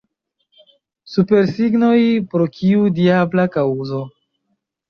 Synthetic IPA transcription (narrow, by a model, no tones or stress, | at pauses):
supe̞ɾsiɡno̞jpɾokiudiablakawuzo̞